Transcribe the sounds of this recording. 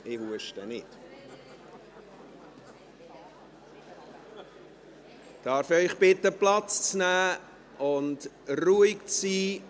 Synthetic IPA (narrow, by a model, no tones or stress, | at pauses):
ɪvuəʃtənɪt | d̥ɑːɾfœʏχbɪtːəplɑt͡st͡snæː | ʊnd | ruikt͡siː